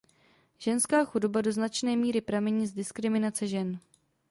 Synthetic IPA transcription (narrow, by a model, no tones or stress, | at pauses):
ʒ̥ɛnskaːxudobado̞znat͡ʃnɛːmiːɾɪpɾamɛɲiːzdɪskɾɪmɪnat͡sɛʒɛn